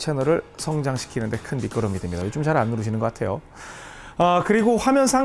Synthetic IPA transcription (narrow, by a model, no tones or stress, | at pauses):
t͡ɕʰe̞nʌɾɯɭsʰʌŋd͡ʑaŋɕʰi̥kʰinɯnde̞kʰɯnmik͈ʌɾʌmidemɲidajot͡ɕomt͡ɕaɾanːuɾɯɕʰinɯnɡʌk͈atʰe̞jo | ʌkɯɾiɡoɸamjʌnsʰa